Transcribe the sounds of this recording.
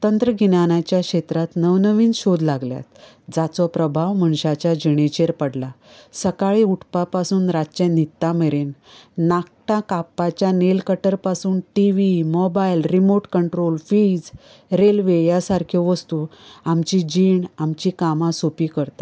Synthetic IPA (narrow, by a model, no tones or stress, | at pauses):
t̪ənt̪ɾəɡʱinañat͡ɕjakɕet̪ɾat̪nəʋnəʋiːnɕod̪laɡlja̰t̪ | d͡zat͡sɔpɾəbʱaʋməɳɕat͡ɕjad͡ʑiɽ̃et͡ɕeɾpəɽla | səkaɭiuʈʰpapasuːnɾat͡ɕẽnit̪ːameɾenːak̚ʈãkapːat͡ɕjanelkəʈəɾpasuːnʈiʋimɔbajlɾimoʈkəɳʈɾolfid͡z | ɾelʋejasaɾkʰeʋəst̪uamt͡ɕid͡ʑiɳamt͡ɕikamãsopikəɾt̪ḁ